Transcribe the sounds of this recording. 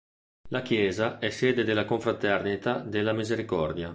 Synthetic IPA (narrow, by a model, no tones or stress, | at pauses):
lakjɛːzaɛseːd̪ed̪elakoɱfɾat̪ɛrnit̪ad̪elːamizeɾikɔrd̪ja